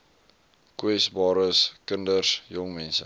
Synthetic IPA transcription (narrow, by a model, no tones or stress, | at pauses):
kwɛsbɑːɾəskəndərsjɔŋmɛnsə